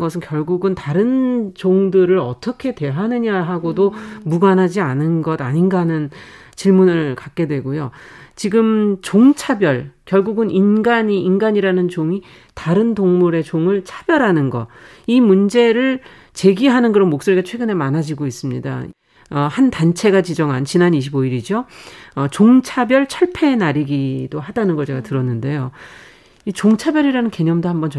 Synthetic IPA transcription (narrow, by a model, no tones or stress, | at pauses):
ɡʌsʰɯnkjʌɭɡuɡɯntaɾɯnt͡ɕoŋdɯɾɯɾʌ̰t͈ʰʌkʰe̞dwe̞ɦanɯɲaɦaɡodomuɡanɦad͡ʑianɯnɡʌdaɲinɡanɯn | t͡ɕiɭmunɯɭkak̚k͈e̞dwe̞ɡojot͡ɕiɡɯmt͡ɕoŋt͡ɕʰabjʌɭkjʌɭɡuɡɯnʔinɡaɲiːnɡaɲiɾanɯnt͡ɕoŋi | taɾɯntoŋmuɾe̞t͡ɕoŋɯɭt͡ɕʰḁb̥jʌɾɦanɯnɡʌ | imund͡ʑe̞ɾɯɭ | t͡ɕe̞ɡiɦanɯnkɯɾʌnmok̚s͈oɾiɡat͡ɕʰwe̞ɡɯne̞manad͡ʑiɡois͈ɯmɲḭda̰ | ʌhantant͡ɕʰe̞ɡat͡ɕid͡ʑʌŋɦant͡ɕinaniɕʰiboiɾid͡ʑoʌt͡ɕoŋt͡ɕʰabjʌɭt͡ɕʰʌɭpʰe̞naɾiɡidoɦadanɯnɡʌɭt͡ɕe̞ɡatɯɾʌnːɯnde̞jo | it͡ɕoŋt͡ɕʰabjʌɾiɾanɯnke̞ɲʌmdohambʌnt͡ɕ